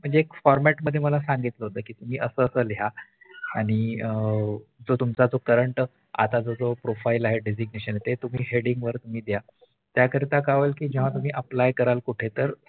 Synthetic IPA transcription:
m̤əɳd͡zeːkfɔɾmæʈməd̪ʱjeməlasãŋɡit̪ləɦot̪əːkiːt̪um̤iːʔəsəəsəːleɦa | aɽ̃i | d͡zot̪umt͡sad͡zokəɾəɳʈ | a̰t̪ad͡zod͡zopɾofailaɦeɖed͡ziɡneɕənet̪et̪um̤iːɦeɽiŋɡʋəɾt̪um̤iːd̪ja | t̪jakəɾit̪akaʋəlkiːd͡ʑeʋ̤ãt̪um̤iːʔəplajkəɾalkuʈʰet̪əɾ

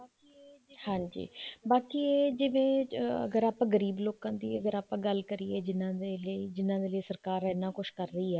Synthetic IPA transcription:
hãːɲd͡ʒḭːbaːkiːeːd͡ʒɪʋẽːə̰ɡəɾaːpːɡəɾiːbloːkãːd̪ḭːəɡəɾaːpãːɡəlkəɾieːd͡ʒɪnãːd̪eːləiːd͡ʒɪnːãːd̪eːləiːsəɾkaːɾɛːnãːkʊʃkəɾdiːɛː

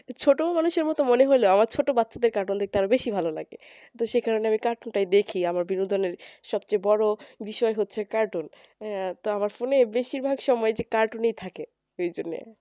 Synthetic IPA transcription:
t͡ɕʰoʈomanuʃeɾmɔt̪omoneɦojloamaɾt͡ɕʰoʈobatːɕʰad̪eɾkaɾʈund̪ek̚t̪eaɾobeʃibʱalola̰ɡḛ | t̪oʃekʰaɾoneamikaɾʈunʈajd̪ekʰiamaɾbinud̪ʱoneɾʃɔb̚t͡ɕejbɔɽobiʃɔeɦotːɕʰekaɾʈon | t̪oamaɾfonebeʃiɾbʱaɡʃɔmɔed͡ʑekaɾʈunejt̪ʰake | ojd͡ʑonːḛ

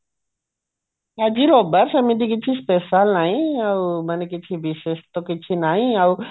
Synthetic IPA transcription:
ɐd͡ʒiɾobəɾsɐmid̪ikɪt͡ʃʰispeʃalnaːɦĩɐwmɐnekɪt͡ʃʰibiʃeʃt̪okɪt͡ʃʰinaːɦĩau

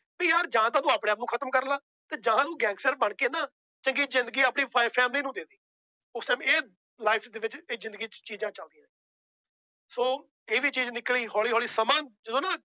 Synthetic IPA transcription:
bĩːjaːɾd͡ʒãːãːt̪̬ãːd̪ũːaːpɽẽːaːp̚nũːkʰət̪əmkəɾlaː | t̪eːd͡ʒaɦãːnũːɡɛ̃ːŋɡsʈəɾbəɳkeːnãː | t͡ʃəŋɡiːzɪnd̪əɡiːaːpɳiːpʰapʰɛːmliːnũːd̪eːd̪iː | ʊsʈaːmeː | laːɪpʰd̪eːʋɪt͡ʃeːzɪ̃nd̪əɡiːt͡ʃiːd͡ʒãːt͡ʃəld̪ĩːɛ̃ː | soː | eːʋiːt͡ʃiːd͡ʒnɪkliːɦɔːɭiːɦɔːliːsəmãːd͡ʒəd̪õːnãː

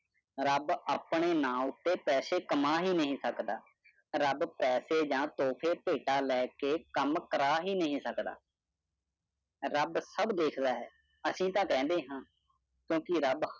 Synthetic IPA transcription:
ɾəbaːpɳeːnãːʊt̪ːeːpɛːseːkəmaːɦiːnəɦĩːsəkd̪aː | ɾəbpɛːseːd͡ʒãːt̪oːpʰeːpeːʈaːlɛːkeːkəmkəɾaːɦiːnəɦĩːsəkd̪a̰ː | ɾəbsəbd̪eːkʰd̪aːɦɛː | əsĩːt̪ãːkɛ̃ːnd̪eːɦãː | kjõːkɪɾəb

